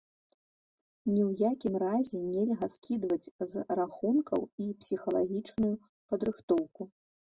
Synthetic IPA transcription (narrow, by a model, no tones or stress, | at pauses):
nʲiwjakʲimrazʲɛnʲɛlʲɣɐskʲid̪vɐd͡zʲzraxunkʰɐ̰wipsʲixɐlˠaɣʲit͡ʂnuju | pɐd̪ɾɨxt̪ɔwku